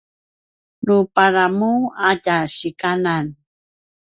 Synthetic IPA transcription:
nupaɾamuaɟaɕikanan

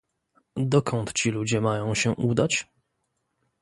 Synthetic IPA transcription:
d̪ɔkʰɔnt̪t͡ɕilud͡ʑɛmajɔ̃w̃ɕɛʔud̪at͡ɕ

